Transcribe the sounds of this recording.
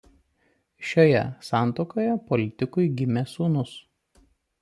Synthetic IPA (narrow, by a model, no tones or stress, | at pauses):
ʃʲoːjɛ̰sɑˑnt̪okoːjɛpɔlʲɪt̪ʲɪkʊɪɡʲɪmʲesuːnʊs